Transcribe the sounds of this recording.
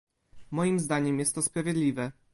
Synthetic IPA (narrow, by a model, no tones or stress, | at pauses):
mɔjimzd̪aɲɛmjɛst̪ːɔspɾavʲjed̪lʲivɛ